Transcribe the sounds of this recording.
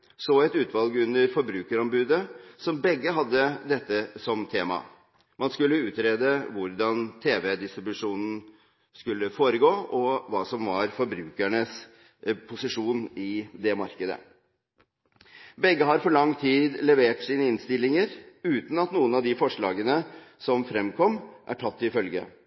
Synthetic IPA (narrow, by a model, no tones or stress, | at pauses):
soːɛt̪ʉːt̪ʰʋɑlɡəʉnːəɾfɔɾbɾʉːkəɾɔmbʉːd̪əsɔmbɛɡːəɦɑd̪ːəd̪ɛt̪ːəsɔmt̪ʰeːmɑ̰ | mɑnskʉlːəʉːt̪ɾeːd̪əʋʊɾd̪ɑnt̪ʰeːʋɛd̪ɪst̪ɾɪbʉʂuːnn̩ | skʉlːəfoːɾəɡoːɔʋɑːsɔmʋɑɾfɔɾbɾʉːkæɳəs | pʰʊsɪʂuːnɪd̪ɛmɑɾkəd̪ə̰ | bɛɡːəɦɑɾfɔɭɑŋːt̪ʰiːd̪lɛʋeːʈsiːnəɪnst̪ɪlːɪŋəɾʉːt̪n̩ɑt̪nuːənɑʋd̪ɪfɔʂɭɑːɡənəsɔmfɾɛmkʰɔmːʔæ̰ʈʰɑt̪ːɪfœlɡə̰